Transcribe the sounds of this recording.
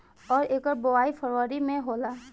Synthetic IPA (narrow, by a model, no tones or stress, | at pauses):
ɔːɾeːkəɾboaːifʰəɾʋəɾimẽɦoːlaː